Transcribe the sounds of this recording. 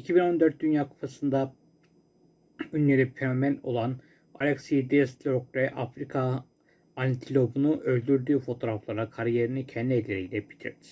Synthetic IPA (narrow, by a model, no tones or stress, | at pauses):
icʰibino̞nd̪øɾt̪̚d̪ynjaːkʰu̥pʰasɯnd̪a | ynlʲeɾipʰeomæno̞̰lˠan | alʲɛksid̪ist̪lʲokvɛʔafɾikʰa | anʲt̪ʰilʲo̞bunuʔølʲd̪yɾd̪yːfo̞t̪ʰo̞ɾaflˠaɾakʰaɾjeɾinicʰɛnd̪ielʲːeɾijlʲɛbit̪ʰḭɾd̪ʰɪ̥